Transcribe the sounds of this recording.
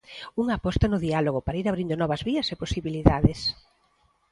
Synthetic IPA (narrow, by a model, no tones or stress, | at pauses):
uŋaːpɔst̪ɐnʊðialoɣopaɾaiɾaβɾind̪ʊnɔβɐzβiɐseposiβiliðaðɪs